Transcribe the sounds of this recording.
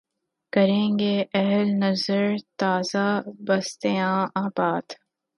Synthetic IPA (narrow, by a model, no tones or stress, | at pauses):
kɐɾẽːŋɡeʔɐɦlnɐzəɾt̪aːzabɐst̪ejãːaːbaːd̪